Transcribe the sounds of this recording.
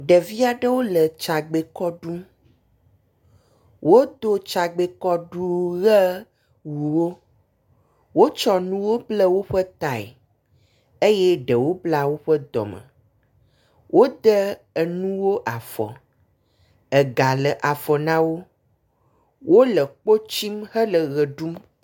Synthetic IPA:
ɖə˨vi˦a˨ɖə˦wo˦lə˨t͡ʃa˨ɡ͡be˨kɔ˦ɖu˦ | wo˦d̪o˦t͡ʃa˨ɡ͡be˨kɔ˦ɖu˦ɣə˦ | wu˨wo˦ | wo˦t͡ʃɔ˦nũ˦wo˦blə˦wo˦ɸə˦t̪a˨ɛ̰˨ | e˦jɛ˦ɖə˨wo˦bla˦wo˦ɸə˦d̪ɔ̰˨mə̰̃˨ | wʔo˦d̪ə˦ | ə˨nũ˦wo˦ʔa˨fɔ̰˨ | ə˨ɡa˨lə˨ʔa˨fɔ˨nã˦wo˦ | wʔo˦lə˨k͡po˦t͡ʃi˦mhə˦lə˨ɣə˨ɖu˦m

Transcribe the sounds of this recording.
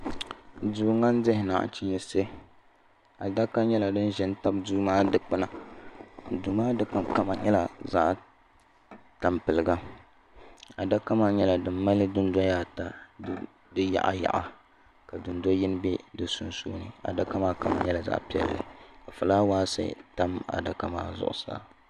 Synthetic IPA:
duː˨ŋa˦n˦dɪ˦hɪ˨na̰˨ʔt͡ʃɪ˦ɲɛ˦se˦ | a˨da˦ka˦ɲɛ˦la˨dɨ˦n˦ʒɛ˨n˦ta˦b̚duː˦maː˦dɨ˦k͡pɨ˦na˨ | duː˨maː˦dɨ˦k͡pɨ˨nka˦ma˨ɲɛ˦la˨za̰˦ʔ | ta˨mpɨ˨lɨ˨ɡa˦ | a˨da˦ka˦maː˦ɲɛ˦la˨dɨ˨m˦mːa˦lɨ˦dʊ˦nda˦jaː˦ta˦ | dɨ˦ja̰˨ʔa̰˨ja̰˨ʔa˨ | ka˨dʊ˨ndo˦jɪ˦n˦bɛ˦dɨ˨˦su˦nsoː˦nɨ̰˨a̰˨da˦ka˦maː˦ka˨ma̰˨ɲɛ˦la˨za̰˦ʔpi˨ɛ̰˨lːɨ̰˨ka˨fɨ˨laː˦waː˦sɨ̰˦ta˦ma̰˨da˦ka˦ma̰ː˦zʊ̰˨ʔʊ̰˨sa̰ː˦

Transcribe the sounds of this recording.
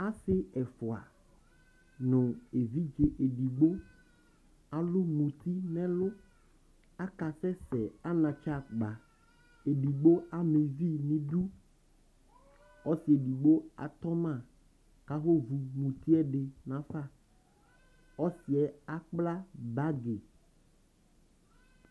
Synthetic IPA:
a˦sɪ˦ɛ˨fɔ˨a̰˨ | nʊ̃˨e˨vi˦d͡ʒe˨ʔe˨ɖi˨ɡ͡bo˦ | a˨lʊ˦mũ˨t̪i˦nɛ̃˦lʊ˦ | a˦ka˨sɛ˦sɛ˨a˦nã˨t͡ʃa˦˨ɡ͡ba˨ | e˨ɖi˨ɡ͡bo˦a˦me˨vi˦nĩ˦ɖu˦ | ɔ˦si˨e˨ɖi˨ɡ͡bo˦a̰˨t̪ɔ˦mã˦˨ | ka˨xo˦vu˨mũ˨t̪i˦ɛ˦ɖe˨nã˨fa˦ | ɔ˦si˨ɛ˨a˦k͡pla˦ba˦ɡe˨

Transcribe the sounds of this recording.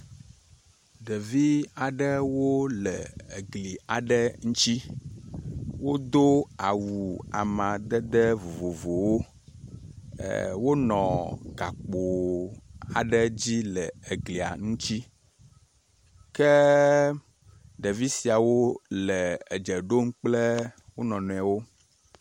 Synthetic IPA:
ɖə˨vi˦a˨ɖə˦wo˦lə˨e˨ɡli˨a˨ɖə˦ŋũ˦t͡ɕi˦ | wo˦d̪o˦a˨wu˨a̰˨mã˨d̪ə˦d̪ə˦vo˨vo˨vo˨wo˦ | wo˦nɔ̃˨ɡa˨k͡po˨ | a˨ɖə˦d͡ʑi˦lɛ˨e˨ɡli˨a̰˨ŋũ˦t͡ɕi˦ | kɛ˦ | ɖɛ˨vi˦si˨a˨wo˦lɛ˨ɛ˨d͡ʒɛ˨ɖo˦m˦k͡plɛ˦wo˦nɔ̃˨nɔ̃˨a˨wo˦

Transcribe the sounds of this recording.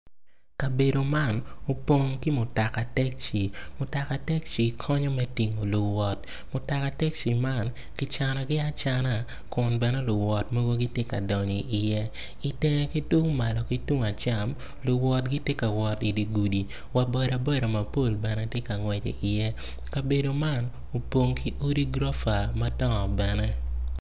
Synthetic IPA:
ka˨be˨do˨ma˦˨no˨po˦ŋki˦mʊ˨ta˨ka˨tɛ˦k̚t͡ʃi˨mʊ˨ta˨ka˨tɛ˦k̚t͡ʃi˨kʰɔ˦ɲɔ˦mɛ˦ti˨ŋo˨lʊ˨wɔ˨t̚ | mʊ˨ta˨ka˨tɛ˦k̚t͡ʃi˨ma˦˨n | ki˦t͡ʃa˨nɔ˨ɡɪ˦a˦t͡ʃa˨na˦˨ | kʊ˨nbɛ˨nɛ˦lʊ˨wɔ˨tmo˦ɡo˦ɡi˦tje˦ka̰˨dɔ˨ɲi˨ʔi˨jɛ˦ | i˨tɛ˦ŋɛ˦ki˦tu˦ma˨lɔ˨ki˦tu˦ŋa˨t͡ʃa˨m | lʊ˨wɔ˨t̚ɡi˦tje˦ka˨wɔ˨ti˨di˨ɡu˨di˨ | wa˨bɔ˦ɾa˨bɔ˦ɾa˨ma˨po˦˨lbɛ˨nɛ˦tje˦ka˨ŋwɛ˨t͡ʃḛ˨ʔi˨jɛ˦ | ka˨be˨do˨ma˦˨n | o˨po˨ŋkʰi˦ʔo˦ɾi˦ɡɾɔ˦fa˨ma˦tɔ˦ŋɔ˨bɛ˨nɛ˦

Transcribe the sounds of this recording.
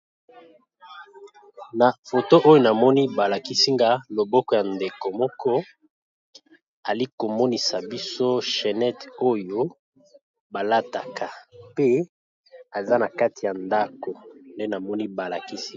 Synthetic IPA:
na˨fo˨to˦ʔo˦jo˦na˨mɔ˦ni˦ba˨la˨ki˦si˦ŋɡa˦lo˨bɔ˦kɔ˨ja˨nde˨ko˨mɔ˦kɔ˦ | a˨li˦ko˨mɔ˦ni˨sa˨bi˦so˦ʃɛ˨nɛ˦to˦jo˦ | ba˨la˦ta˨kʰa˨pe˦ | a˨za˦na˨ka˦ti˨ja˨nda˦ko˨nde˦na˨mɔ˦ni˦ba˨la˨ki˦si˦

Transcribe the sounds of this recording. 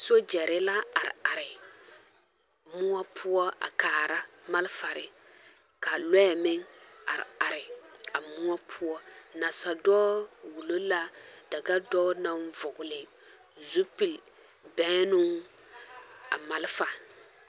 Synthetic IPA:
so˦d͡ʒɛ˨ɾɪ˦la˦a˨ɾɪ̰˨a˨ɾɪ˨ | mʊ˦ɔ˦pʰʊ˦ɔ˦a̰˨kaː˨ɾa˦ma˦lfa˨ɾɪ˨ | ka˨lɔ˦˨mɪ˦ŋa̰˨ɾɪ̰˨a˨ɾɪ˨a˨mʊ˦ɔ˦pʰʊ˦ɔ˦na˨sa˨dɔː˦wu˨lo˦la˦d̥a˨ɡa˦dɔ˦na˦n˦vʊ˨ɡʊ˨lɪ˨ | zu˦pi˨l | bɛ̃˨˦nʊ˦ŋ | a̰˨ma˨lfa˨

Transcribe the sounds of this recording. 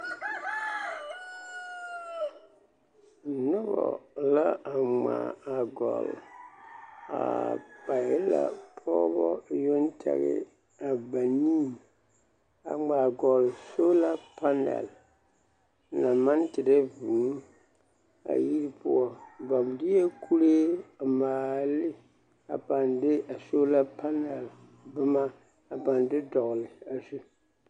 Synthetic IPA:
nʊ˦bɔ̰˨la˦ʔa˨ŋ͡ma˨a˨ɡɔ̰˨l | a̰˨pa˨jɪ˦la̰˦pʰɔː˦bɔ˦jo˦n˦tʰɛ̰˨ɣɪ̰˦ | a˨ba˨ni˦˨ | a˨ŋ͡ma˨ɡɔ˨lso˦la˦pa˦nɛ̰˨l | na˨ma˦n˦tɪ˨de˦vu˨˦ | a̰˨ji˦ɾi˦pʰʊ̰˦ɔ˨ba˨m˨dɪ˦jɛ˦kʰu˦ɾe˦a˨maː˨lɪ˦ | a̰˨pa˨ndɪ˦a˨so˦la˦pa˦nɛ˨l | bɨ˦ma˦ | a˨pa˨ndɪ˦dɔ˨ɣlɪ˨a˨zu˦

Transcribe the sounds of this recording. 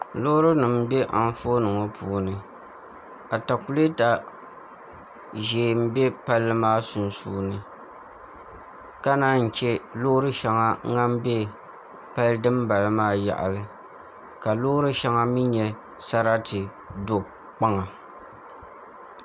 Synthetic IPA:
lo˦ʊ˦ɾɨ˦nɨ˨m˦bɛ˦ʔa˨n˦fo˦nɨ˨ŋɔ˦pʰuː˦nɨ˨ | a˨ta˨ku˨˦le˦ta˨ | ʒeː˨m̩˦bɛ˦pa˦lːɨ˦maː˦sʊ˨n˨suː˦nɨ˨ | ka˦naː˦n̩˨t͡ʃɛ˦lo˦ʊ˦ɾɨ˦ʃa˨ŋa˦ŋa˦m˦bɛ˦ | pa˦lɨ˦dɨ˦mba˨lɨ˦maː˦ja̰˨ʔa̰˨lɨ˨ | ka˨lo˦ʊ˦ɾɨ˦ʃa˦ŋa˦mi˦ɲɛ˨ | sa˦ɾa˦tɨ˨ | do˦ | k͡pa˦ŋa˨

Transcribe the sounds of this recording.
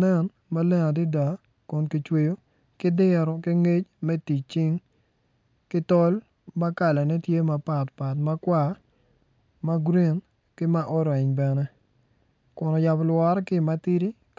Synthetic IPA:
nɛ˦˨n | ma˦lɛ˦ŋa˨di˦da˨ | kʊ˨nki˨t͡ʃwe˨jo˦ | kɪ˦dɪ˦ɾɔ˨ki˦ŋe˦t͡ʃmɛ˦ti˨t͡ʃi˦ŋ | kɪ˦tɔ˦l | ma˦ka˨la˨nɛ˦tje˦ma˨pa˨tpa˨tma˦kwa˦˨ | ma˦ɡɾi˦˨n | kɪ˦ma˦ʔɔ˦ɾɛ˨ɲbɛ˨nɛ˦ | kʊ˨nɔ˨ja˨blwɔ˦ɾkɪ˦˨ma˨ti˦ɾi˦

